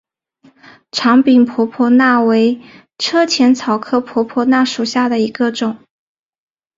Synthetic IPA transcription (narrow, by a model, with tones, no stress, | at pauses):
ʈ͡ʂʰɑ˧˥ŋpi˨˩npʰɔ˧˥pʰɔ˧˥na˥˩we˧˥ɪ | ʈ͡ʂʰɤ˥t͡ɕʰjɛ˧˥nt͡sʰɑ˨˩ʊkʰɤ˥pʰwɔ˧˥pʰwɔ˧˥na˥˩ʂu˨˩ɕja˥˩d̪ə˩i˧˥ɡə˧ʈ͡ʂʊ˨˩˦ŋ